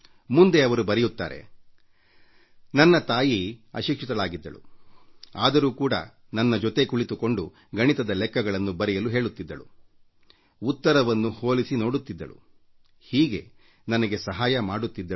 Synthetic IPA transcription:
mund̪eɐʋɐɾubɐɾɛjut̪ːa̰ːɾe̞̰ | nɐnːɐt̪aːjiɐ̰ʃikʂit̪ɐɭaːɡid̪ːɐ̰ɭṵ | aːd̪ɐɾuːkuːɽɐ̰ | nɐnːɐd͡ʒɔt̪e̞kuɭit̪uko̞ɳɖu | ɡɐɳit̪ɐd̪ɐlɛkːɐɡɐɭɐnːubɐɾɛjɐluɦe̞ːɭut̪ːid̪ːɐɭṵ | ut̪ːɐɾɐʋɐnːuhoːlisino̞ːɽut̪ːid̪ːɐ̰ɭṵ | hiːɡe̞ | nɐnɐɡe̞sɐɦaːjɐmaːɽut̪ːid̪ːɐ

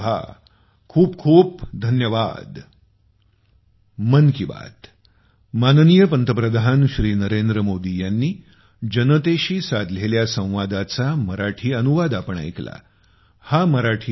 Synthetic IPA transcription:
a̰ | kʰuːpkʰuːp̚d̪ʱənjəʋa̰d̪ | mənkiba̰t̪ | mannijəpənt̪əpɾəd̪ʱanɕɾiːnəɾend̪ɾəmod̪ijanːiː | d͡ʑənət̪eɕiːsad̪ʱleljasə̃w̃ʋad̪at͡saməɾaʈʰiːənuʋad̪apəɳa̰jkla̰ | haməɾaʈʰiː

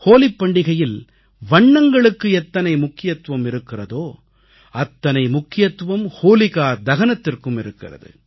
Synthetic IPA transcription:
hoːlɪpːɐɳɖɪɣɐjɪl | ʋɐɳːɐŋɡɐɭɯkːɯɛt̪ːɐnɐɪmʊkːɪjɐt̪ʋɐmɪɾɯkːɪrɐðoː | ɐt̪ːɐnɐɪmʊkːɪjɐt̪ːʋɐmhoːlɪɣaːɾd̪ɐɣɐnɐt̪ːɪrkɯmɪɾɯkːɪ̰rɐ̰ðɯ̰

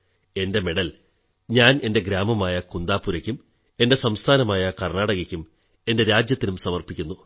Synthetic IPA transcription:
e̞nde̞meɽɐl | ɲaːne̞nde̞ɡɾaːmɐmaːjɐkund̪aːpːuɾɐkʲːum | e̞nde̞sɐmst̪ʰaːnɐmaːjɐkɐrɳaːɽɐɣɐkʲːum | e̞nde̞ɾaːd͡ʑjɐt̪ːinumsɐmɐrpikʲːunːu

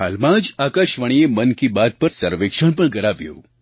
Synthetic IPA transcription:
ha̰lmãd͡ʒakaʃʋəɽ̃iemənkibad̪̚pəɾsəɾʋekʃəɳpəɳɡəɾaʋjo̰

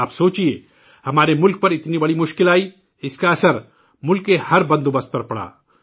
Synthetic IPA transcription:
aːpsoːt͡ʃie | hɐmaːɾemʊlk̚pɐɾɪt̪nibɐɽimʊʃkɪlaːi | ɪskaɐsəɾ | mʊlkːehɐɾbɐ̃nd̪obɐst̪̚pɐɾpɐɽa̰ː

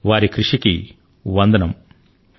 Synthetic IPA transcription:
ʋaːɾikɾiʂiki | ʋɐnd̪ɐnɐm

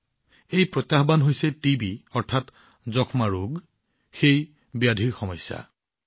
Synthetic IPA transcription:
ejpɹɔt̪jaɦbanɦojsɛtibiɔɹtʰat | zɔkʰmaɹuɡ | xej | bijadʱiɹxɔmɔjsa̰

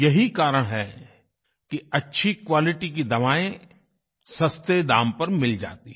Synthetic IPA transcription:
jɐɦikaːɾəɽ̃ɦɛ | kiɐtːʃʰikwaːlɪʈikid̪ɐʋaːẽ | sɐst̪ed̪aːmpɐɾmɪld͡ʒa̰ːt̪iɦ

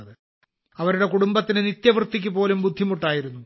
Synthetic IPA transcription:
ɐðɨ | ɐʋɐɾuɽe̞kuɽumbɐt̪ːinɨnit̪jɐʋrɨt̪ːik̬ʲːɨpo̞ːlumbud̪ʱːimuʈːaːjiɾunːu

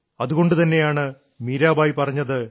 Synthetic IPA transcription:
ɐðuɣo̞ɳɖɨt̪ɐnːe̞jaːɳɨ | miːɾaːbaːjipɐrɐɲːɐðɨ

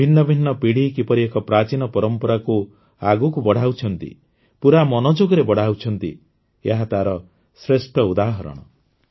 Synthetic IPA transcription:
bʱinːɔbʱinːɔpiɽ̤ikipɔɾiekɔpɾat͡ʃinɔpɔɾɔmpɔɾaku | aɡukubɔɽ̤ʱawt͡ʃʰɔnt̪ḭ | puɾamɔnɔd͡ʒoɡɔɾebɔɽ̤awt͡ʃʰɔnt̪ḭ | eɦat̪aɾɔ | sɾesʈɔud̪aɦɔɾɔ̰ɽ̃ɔ

